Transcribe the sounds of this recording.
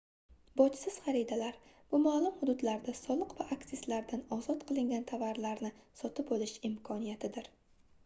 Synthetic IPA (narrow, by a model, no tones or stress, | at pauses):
bɒt͡ʃsɪz̥χɑɾid̪alaɾ | b̥ʊmaːlˠʊmhʊd̪ʊd̪laɾd̪asɒlˠɨqvaʔakt̪ɪslaɾd̪anɒzɒt̪qʰɨlˠɪŋɡʲant̪ʰavaɾlaɾnɪsɒt̪ʰɪpɒlɪʃɪmkʰɒnijat̪ʰɪd̪ɪɾ